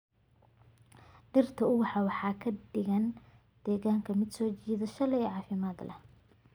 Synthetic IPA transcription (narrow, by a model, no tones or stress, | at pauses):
ɖɪrt̪ʰɐʊwɑħɑwɑħɑːkʰɐɖɪɣɐn | d̪̥ɛːɣaːŋkʰɐmɪd̪sɔːt͡ʃiːðɐʃɐlɛjɛʕɑːfɪmaːd̪lɐ̰